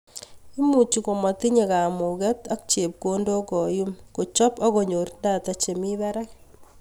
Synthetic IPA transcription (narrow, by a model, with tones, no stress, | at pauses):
i˦mu˨t͡ʃi˦ko˨mɔ˨ti˦ɲe˨ka˨mu˨kɛ˦ta˦k̚t͡ʃe˨p̚ko˦ndo˦kɔ˨ju˦mko˨t͡ʃɔ˦pɔ˦ko˨ɲo˨rndaːta˨t͡ʃe˨mibaɾa˦k̚